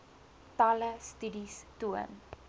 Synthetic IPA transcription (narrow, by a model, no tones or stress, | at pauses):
paləstʉdistuən